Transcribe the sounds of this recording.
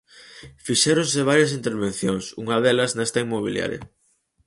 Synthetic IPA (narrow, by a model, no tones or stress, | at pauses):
fiʃɛɾõŋsɪβ̞aɾjɐs̬int̪eɾβen̟θjoŋsuŋɐðɛlɐznɛst̪ɐimːoβ̞ilja̰ɾjɐ̰